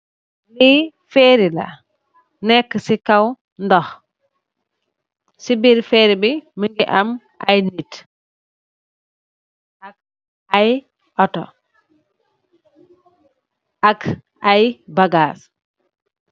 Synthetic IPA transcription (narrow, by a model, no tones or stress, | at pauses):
li | fɛːɾila̰ | nɛkːsikaw | ndɔx | sibiɾfɛːɾibiməŋɡiʔam | ʔajnit | ak̚ | aj | ʔɔtɔ | ak | ajbaɡaːs